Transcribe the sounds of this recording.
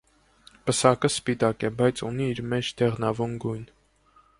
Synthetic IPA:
pəsɑkəspit̪ɑkɛbɑjt͡sʰuniːɾmɛt͡ʃʰd̪ɛʁnɑvunɡujn

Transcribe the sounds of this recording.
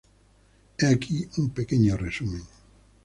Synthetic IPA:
eakʰiumpekeɲoresumeŋ

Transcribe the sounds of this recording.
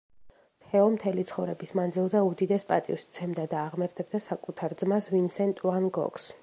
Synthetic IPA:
t̪ʰɛɔmt̪ʰɛlit̪sʰχɔvɾɛbismand̪zilˠzɛud̪id̪ɛspʼat̪ʼḭust̪sʰɛmd̪ad̪aːʁmɛɾt̪ʰɛb̚d̪asakʼut̪ʰaɾd̪zmasvinsɛnt̪ʼuvanɡɔ̰kʰs

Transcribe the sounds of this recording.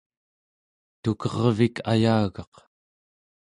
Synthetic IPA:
t̪ukʌʁvikʰajaːɣɑq

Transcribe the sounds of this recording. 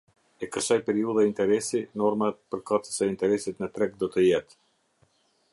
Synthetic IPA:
ɛkəʃajpɛɾiuðaint̪ɛɾɛsinɔɾmat̪pəɾkat̪ə̥sɛint̪ɛɾɛsit̪nət̪ɾɛk̚d̪ɔt̪əjɛt̪

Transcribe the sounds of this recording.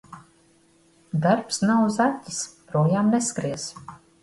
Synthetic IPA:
d̪aɾpsnawuzat̪ʲːispɾɔːjaːmnɛskɾiɛz

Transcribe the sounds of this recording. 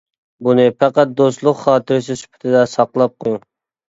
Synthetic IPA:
bunɨpæqæt̪̚d̪ost̪lˠʊqχɑːt̪ʰɪɾɪsɪsy̥pʰɪ̥t̪ʰɪd̪ɛsɑqlˠɑp̚qʰojuŋ

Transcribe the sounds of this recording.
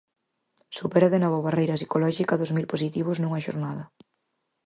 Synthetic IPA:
supɛɾɐðenaβoβarejɾɐs̬ikolɔʃikɐðozmilposit̪iβ̞ʊznũŋɐʃo̰ɾnaðɐ

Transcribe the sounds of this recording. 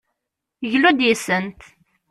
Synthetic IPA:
ʝlud̪jisənt̪

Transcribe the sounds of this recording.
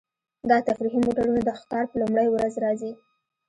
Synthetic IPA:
d̪ɑt̪afɾiɦimoʈaɾunad̪əxk̪ɑɾpəlumɽəjwɾazɾɑzi

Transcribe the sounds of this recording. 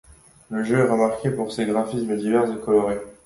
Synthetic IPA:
ləʒøɛʁəmaʁkʲʰepuʁseɡʁafisməd̪ivɛʁsəkɔlɔʁe

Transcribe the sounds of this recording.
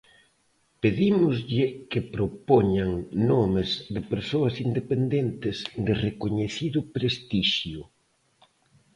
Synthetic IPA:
peðimʊzʎɪkɪpɾopoɲaŋnomɪzðɪpeɾsoɐsind̪epend̪ent̪ɪzd̪ɪrekoɲeθiðʊpɾest̪iʃjʊ

